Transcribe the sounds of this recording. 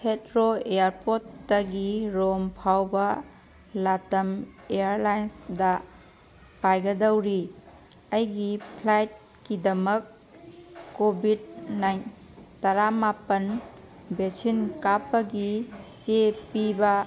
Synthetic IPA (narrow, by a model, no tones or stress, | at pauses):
hʰetɾoejaɾpotːɐɡiɾompʰawbɐ | latɐmeaɾlajnsdɐ | pajɡɐdawɾi | ɐjɡipʰlajt̚ | kidɐmɐkː | obʱid̚najn | tɐɾamapɐn | besinkapːɐɡisepibɐ